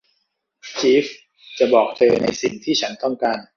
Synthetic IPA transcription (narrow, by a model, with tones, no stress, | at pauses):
t͡ɕiː˦˥f | t͡ɕa˨˩bɔː˨˩k̚t͡ɕɤː˧na̰˧jsi˨˩ŋt̪ʰiː˥˩t͡ɕʰa˦˥nt̪ɔ˥˩ŋkaː˧n